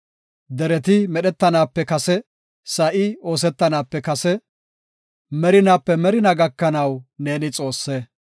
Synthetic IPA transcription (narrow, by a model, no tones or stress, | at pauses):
d̪ɛɾɛt̪ɪmɛɗɛt̪ːɐnaːpːɛkɐsɛ | sɐʔɪo̞ːs̬ɛt̪ːɐnaːpːɛkɐsɛ | mɛɾɪnaːpːɛmɛɾɪnɐɡɐkːɐnɐwne̞ːnɪt͡sʼo̞ːsːɛ